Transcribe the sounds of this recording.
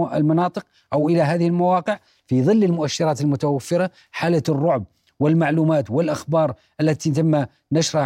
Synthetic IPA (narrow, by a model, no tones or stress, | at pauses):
lmɑnɑːt̪ˤəq | ʔəwʔəlaɦæːðɪhəlmawɑːqəʕ | fiðˤɨlːəlmʊʔæʃːɪɾˤɑːt̪əlmʊt̪awafːɪɾɑ | ħalərˤːʊʕb̚ | wəlmaʕlumaːt̪wəlʔaxbɑːɾˤ | ʔælːæt̪it̪əmːa | nəʃɾˤɑ